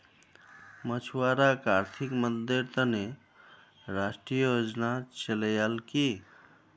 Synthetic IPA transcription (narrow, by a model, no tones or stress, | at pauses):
mət͡ʃʰuwaɾakaɾt̪ʰikməd̪eɾt̪əne | ɾasʈɾijəjod͡ʒnat͡ʃeləjalki